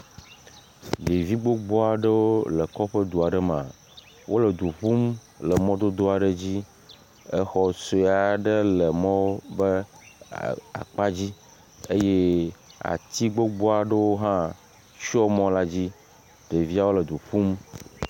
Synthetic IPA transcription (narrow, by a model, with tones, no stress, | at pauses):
ɖe˨vi˦ɡ͡bo˦ɡ͡bɔ˦a˨ɖə˦wo˦lə˨kɔ˦ɸə˦d̪u˨a˨ɖə˦mã˨ | wʔo˦lə˨d̪u˨ɸu˦m | lə˨mɔ̃˦d̪o˦d̪o˦a˨ɖe˦d͡ʑi˦ | e˦xɔ˨so˦˨a˨ɖə˦lə˨mɔ̃˦wo˦bə˦ | a̰˨k͡pa˦d͡ʑi˦ | e˦je˦a̰˨t̪i˦ɡ͡bo˦ɡ͡bɔ˦a˨ɖə˦wo˦ɦã˦ | ʃɔ˦mɔ̃˦la˦d͡ʑi˦ | ɖe˨vi˦a˦wo˦lə˨d̪u˨ɸu˦m